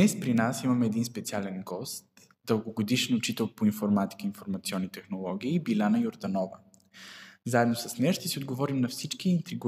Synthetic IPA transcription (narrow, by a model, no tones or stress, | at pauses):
ɛspɾinasimɐmɛɛːd̪inspɛt̪sialɛnɡɔst̪ | d̪əlˠɡoɡod̪iʃnʊt͡ʃit̪ɛlˠpoinfoɾmat̪i̥kəinfoɾmɐt̪siɔnːit̪ɛxnolˠɔɡ̟iːbilʲanəjoɾd̪ɐnɔvə | zaɛd̪nosɐsnɛʃt̪ɛsiod̪̚ɡovɔɾimnɐfsit͡ʃkiːnt̪ɾiɡ